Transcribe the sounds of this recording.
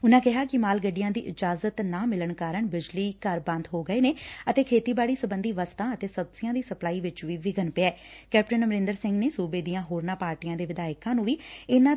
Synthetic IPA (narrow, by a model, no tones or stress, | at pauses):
ʊnãːkɪɦaːkɪmaːlɡəɖijãːd̪ḭːʔɪd͡ʒaːzət̪nãːmɪləɳkaːɾəɳbɪd͡ʒliːkəɾbə̃nd̪ɦoːɡəeːneːət̪eːkʰeːt̪iːbaːɽiːsəbənd̪iːʋəst̪ãːət̪eːsəbsɪãːd̪iːsəplaːiːʋɪt͡ʃʋiːʋɪɡənpɪaːɛːkɛːp̚ʈənməɾɪ̃ːnd̪əɾsɪ̃ŋɡneːsuːbeːd̪iːãːɦoːɾnãːpaːɾʈijãːd̪eːʋɪd̪aːɪkãːnũːʋiːɪnãː